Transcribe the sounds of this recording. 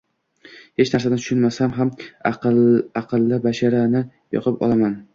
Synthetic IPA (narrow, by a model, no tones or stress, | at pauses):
he̞t͡ʃnaɾsad̪at̪ʰʊ̥ʃʊnmasamɦam | aqʰɨlˠːabaʃaɾanɪ | jɒ̰qʰɨpɒ̰lˠaman